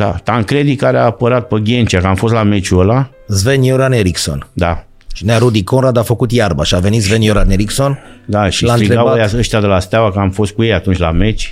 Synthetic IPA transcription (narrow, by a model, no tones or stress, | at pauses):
d̪a̰t̪aŋkɾed̪ikaɾeaːpəɾat̪̚pəɡʲent͡ʃiakəamfo̞st̪lamet͡ʃuəla | zvenjoɾaneɾikso̰nd̪a | ʃineaɾud̪ikonɾad̪afəkut̪jarbaʃiave̞nit̪zvenjoɾaneɾiksond̪aʃilaniɾeɡajaəʃt̪ʲad̪elast̪awakəamfo̞st̪̚kujejat̪unt͡ʃʲlamet͡ʃʲ